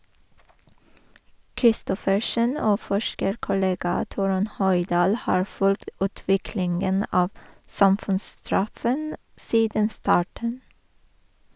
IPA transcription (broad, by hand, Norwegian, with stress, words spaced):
kɾɪˈstɔfəʃən ˈoː ˈfɔʃkəɾkʊˌleːɡɑ ˈtuːɾʉn ˈhœjˌdɑːl ˈhɑːɹ ˈfʉlkt ˈʉːtʋɪklɪŋən ˈɑːʋ ˈsɑmfʉnsˌstɹɑfən ˈsiːdən ˈstɑːʈɳ̩